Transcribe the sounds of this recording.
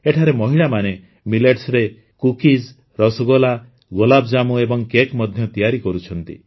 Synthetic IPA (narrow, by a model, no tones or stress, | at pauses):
eʈʰaɾemɔɦiɭamane | mileʈsɾe | kukid͡ʒ | ɾɔsɔɡola | ɡolabd͡ʒamuebɔŋkekmɔd̪ʱjɔt̪ijaɾikɔɾut͡ʃʰɔnt̪ḭ